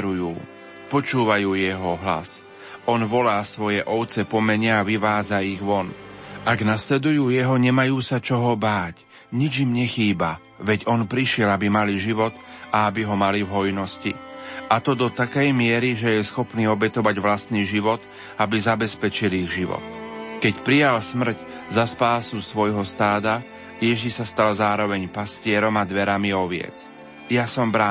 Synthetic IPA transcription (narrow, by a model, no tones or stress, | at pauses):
ɾujuː | pɔt͡ʃuːʋajuːjɛɦɔɦla̰s | ɔnʋɔlaːsʋɔjɛʔɔʊt͡sɛpɔmɛɲɪɛːʋiʋaːd͡zaiɣʋɔnʔaɡnaslɛd̪ujuːjɛɦɔɲɛmajuːsat͡ʃɔɦɔbaːc | ɲid͡ʒimɲɛxiːba | ʋɛɟɔnpɾiʃɪɛlabimaliʒiʋɔt̪aabiɦɔmalivɦɔjnɔscḭʔat̪ɔd̪ɔt̪akɛjmɪɛɾiʒɛjɛsxɔpniːɔbɛt̪ɔʋaɟʋlast̪niːʒiʋɔt̪ | abizabɛspɛt͡ʃiliɣʒiʋɔ̰t̪kɛcpɾijalsmr̩c | zaspaːsusʋɔjɦɔst̪aːd̪a | jɛʒiʃsast̪alzaːɾɔʋɛɲpascɪɛɾɔmad̪ʋɛɾamiɔʋɪɛ̰t͡s | jasɔmbɾa